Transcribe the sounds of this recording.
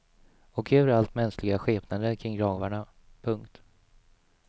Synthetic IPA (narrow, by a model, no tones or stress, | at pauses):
ɔkʰøːvəɾalt̪mɛnsklɪɡaɧeːpnand̪əkʰɾɪŋːɡɾɑːvaɳa | pʰɵŋkt̪